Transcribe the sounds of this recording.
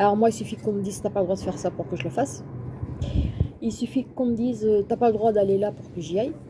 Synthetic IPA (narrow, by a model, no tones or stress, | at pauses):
alɔʁmwailsyfikɔ̃məd̪iz̥t̪yapaləd̪ʁwad̪əfɛʁsapuʁkəʒələfas | ilsyfikɔ̃məd̪izøt̪yapaləd̪ʁwad̪alelapuʁkəʒiaj